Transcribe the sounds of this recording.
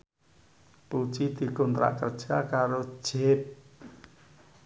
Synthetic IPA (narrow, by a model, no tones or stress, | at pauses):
put͡ʃid̪̥i̤kɔnt̪ɾʔa̰ʔkərd̥ʒ̥akaɾo̥ʒ̥ep̚